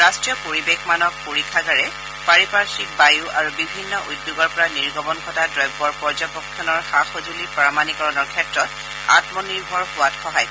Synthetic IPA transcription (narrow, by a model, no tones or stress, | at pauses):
ɹastɹijɔpoɹibexmanɔk̚poɹikʰːaɡaɹɛ | paɹipaɹsik̚bajuʔaɹubibʱinːɔʔudːjuɡɔɹpɔɹaniɹɡʱɔbɔnkʰɔtadɹɔjbːɔɹpɔɹd͡ʒɔpɔkʰːɔnɔɹxaxozulipɹamanikɔɹɔnɔɹkʰɛtɹɔt̚ | a̰tmɔniɹbʱɔɹhʊwatxɔɦaj